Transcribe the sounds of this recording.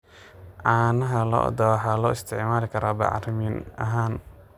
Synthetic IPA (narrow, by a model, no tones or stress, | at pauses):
ʔaːnɐɦɐlɔ̰ːd̪ɐwɑħɑːlɔːɪst̪ʰɪʕmaːlɪkʰɐɾaːbɑ̰ʕɑ̰rmɪnɐ̰ɦaːn